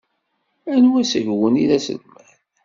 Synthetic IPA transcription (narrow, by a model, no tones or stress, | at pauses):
ænwæsəʝwəniðæsə̰lmæθ